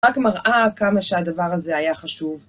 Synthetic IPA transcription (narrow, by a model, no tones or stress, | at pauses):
akmaʁʔakamaʃead̪avaʁaze̞ajaχaʃuv